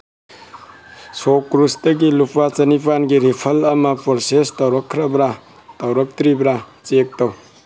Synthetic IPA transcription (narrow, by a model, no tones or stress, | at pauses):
sokːɾustɐɡilupat͡ʃɐnipanɡiɾipʰɐlɐmɐpoɾsestɐwɾɐkʰːɾɐbɾa | tɐwɾɐk̚tɾibɾat͡ʃek̚tɐw